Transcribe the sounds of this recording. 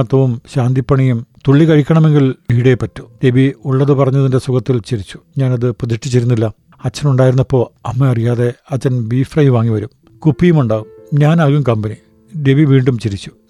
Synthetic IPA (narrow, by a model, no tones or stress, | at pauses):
t̪ːɐʋumɕaːnd̪ipːɐɳɐjumt̪uɭːikɐɻikʲːɐɳɐme̞ŋɡiliːɽe̞pɐtːu̥d̪e̞biuɭːɐðɨpɐrɐɲːɐðinde̞sukɐt̪ːilt͡ɕiɾit͡ɕːu̥ɲaːnɐðɨpuðiʂʈːit͡ɕːeɾunːilːɐ | ɐt͡ɕːɐnuɳɖaːjiɾunːɐpːo̞ːɐmːeɐrijaːðe̞ɐt͡ɕːɐnbiːfrɐjʋaːŋːiʋɐɾum | kupːijumuɳɖaːɣumɲaːnɐɣumkɐmbɐni | de̞ʋiʋiːɳɖumt͡ɕiɾit͡ɕːu̥